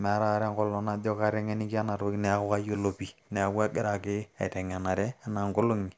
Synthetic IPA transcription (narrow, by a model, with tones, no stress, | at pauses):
mɛ˨˦ɾa˦˨˦ɾɛ˦ŋkɔ˦lːɔ˦na˦dɔ˦ka˦ɾɛ˦ŋɛ˦ni˦ki˦a˦na˨ɾo˦nɛ˨a˦ko˦ka˦jo˦lo˨pi˦ | nɛ˨a˦kːa˦ɡɪ˦ɾa˨kɪ˦a˨tɛ˨ŋa˨na˨ɾɛ˦a˦na˨ŋkʊ˦lʊ˦ŋi˨